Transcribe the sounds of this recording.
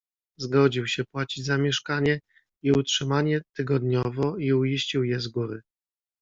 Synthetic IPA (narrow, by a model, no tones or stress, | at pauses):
zɡɔd͡ʑiwɕɛpwat͡ɕid͡ʑzamʲjɛʂkaɲɛ | iutʂɘmaɲɛt̪ɘɡɔd̪ɲɔvɔiuiɕt͡ɕiwjɛzɡuɾɘ